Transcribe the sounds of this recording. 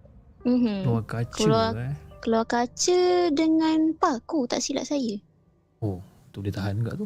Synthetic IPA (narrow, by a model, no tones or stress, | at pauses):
m̩m̩oakat͡ʃalaakalawakat͡ʃədəŋãnpakut̪a̰ʔsila̰ʔsajə | out̪ʊʔ̚diət̪aɦanuɡa̰ʔt̪u